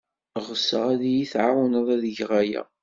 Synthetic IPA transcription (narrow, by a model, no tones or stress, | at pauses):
ʁəsːəʁæðijiθʕawənəðˤæðəʝʁajæ̰